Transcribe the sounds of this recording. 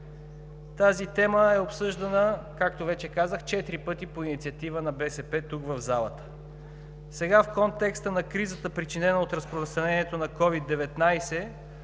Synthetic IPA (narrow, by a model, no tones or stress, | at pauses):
t̪azit̪ɛməɛopsɤʒd̪ɐnəkak̚t̪ovɛt͡ʃɛkazəxt͡ʃɛt̪iɾipɤt̪ipoinit̪siɐt̪ivənɐbɛsɛpɛt̪uɡvəvzalˠət̪ə̥ | sɛɡafkɔnt̪ɛkst̪ənɐkɾizət̪əpɾit͡ʃinɛnəot̪ɾəspɾost̪ɾɐnɛnʲiɛt̪onɐkɔvid̪ːɛvɛt̪najsɛ